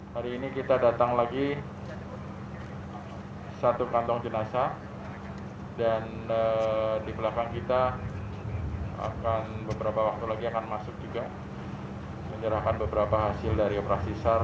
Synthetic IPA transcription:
haɾiːnikit̪adat̪aŋlaɡi | sat̪ukant̪ɔŋd͡ʒənasa | danədipəlakaŋkit̪a | a̰kanbəbəɾapawak̚t̪ulaɡiakanmasʊk̚d͡ʒuɡa | məɲəɾahkanbəbəɾapaɦasɪldaɾiopəɾaksisar

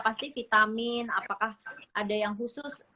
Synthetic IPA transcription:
past̪ifit̪amɪnapakahʔadajaŋɦusʊs

